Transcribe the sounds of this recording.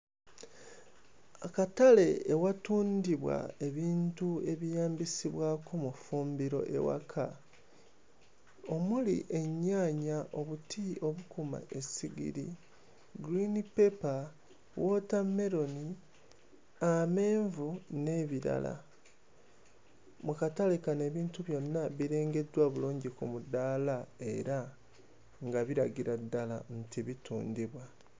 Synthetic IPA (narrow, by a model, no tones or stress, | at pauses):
akatale̞ːwatuːndiβwa̰e̞βiːntue̞βijaːmbisiβwaːkomufuːmbiɾo̞̰ʔe̞̰wa̰kʰa | o̞mulḭʔe̞ɲːaːɲaʔo̞βutio̞βukuma̰e̞siɡḭɾḭ | ɡɾinipepa | wotamːe̞ɾo̞ni | ame̞ːɱvune̞βiɾa̰la̰ | mukatalikane̞ːβiːntuβjo̞nːaβiɾe̞ːŋɡe̞dwaβuluːɲɟikumudaːlae̞ɾa | ŋɡaβiɾaɡiɾadːalantiβitṵːndiβwa